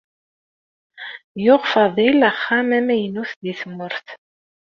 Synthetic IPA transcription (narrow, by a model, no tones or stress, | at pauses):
jʊʁfɑðˤilæχːæmæmæjənuθd̪iθəmːʊɾθ